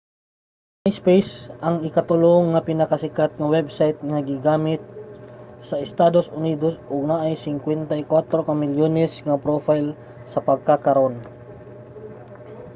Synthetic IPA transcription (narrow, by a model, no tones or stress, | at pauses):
najspejsʔɐŋɪkɐt̪ʊloŋːɐpɪnɐkɐsɪkat̪̚ŋɐwɛbsajt̪̚ŋɐɡɪɡaːmɪt̪̚ | sɐʔɪst̪aːd̪osʔʊnid̪osʔoɡ̚naʔɐjsɪŋkwɛnt̪ɐjkwat̪ɾokɐmɪljoːnɛsŋɐpɾofajl | sɐpɐɡ̚kakɐɾʔon